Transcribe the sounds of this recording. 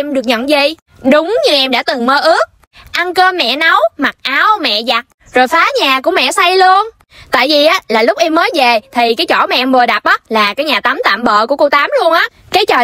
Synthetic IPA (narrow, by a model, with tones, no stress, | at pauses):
ɛ˧mɗɨ˨˩ək̚ɲə̰˧˨nzi˨˧˩ | ɗʊ˨˦ŋ͡mɲɨ˧ʔɛ˧mɗa̰ː˧˥t̪ɨ˨˩ŋməː˧ʔɨ˦˥ək̚ | ʔa˧nkəː˧mɛ̰˧˨na˨˦wma˨˩t̚ʔaː˨˦wmɛ̰˧˨za˨˩t̚ | zo˨˩jfaː˨˦ɲaː˨˩ku˧˩əmɛ̰˧˨sa˧jlu˧ən | t̪a̰ː˧˨jvi˨˩ʔaː˨˦laː˨˩lʊ˦˥k͡p̚ʔɛ˧mːəː˨˦jve˨˩t̪ʰi˨˩kaː˨˦jt͡ɕɔ˧˩maɛ̰˨ʔɛ˧mvə˨˩ɗa˨˩p̚ʔəː˨˦˥laː˨˩kaː˨˦jɲaː˨˩t̪a˨˦mt̪a̰ː˧˨mɓə̰ː˧˨ku˧˩ko˧wt̪aː˨˦mlu˧ənʔaː˨˦ | kaː˨˦jt͡ɕəː˨˩